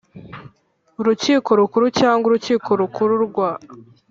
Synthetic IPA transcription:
uɾuciːko̞ɾukuɾucaːŋɡuɾuciːkʰo̞ɾukʰuɾuɾɡwa

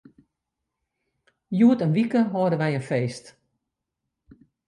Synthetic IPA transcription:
juətənʋikəɦodəʋɛjənfeːst

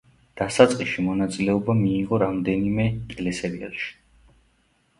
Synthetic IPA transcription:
d̪̥asat̪sʼqʼiʃimɔnat̪sʼilɛɔbamiːʁɔɾamd̪ɛnimɛlɛsɛɾiɛlʃi̥

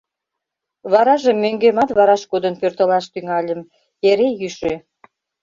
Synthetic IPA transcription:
βɑɾɑʒəmːøŋɡemɑt̪βɑɾɑʃkod̪ənpørt̪ə̆lɑʃt̪yŋɑlʲə̆m | eɾejyʃø

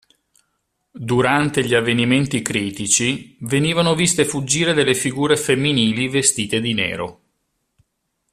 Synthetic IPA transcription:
d̪uɾant̪eʎiavːeniment̪ikɾiːt̪it͡ʃiveniːvanovist̪efud͡ʒːiːɾed̪elːefiɡuːɾefemːiniːlivest̪iːt̪ed̪inɛ̰ːɾo̰

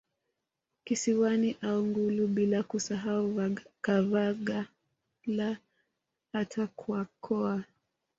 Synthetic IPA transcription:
kisiwaniʔauŋɡuluɓilakusaɦaukavaɠa | la | atʰakʰwakʰɔa

